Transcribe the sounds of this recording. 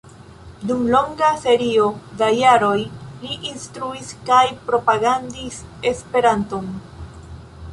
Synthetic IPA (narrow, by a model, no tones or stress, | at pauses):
dumlo̞ŋɡase̞ɾio̞dajaɾo̞jliʔinstɾuiskajpɾo̞paɡandise̞spe̞ɾanto̞n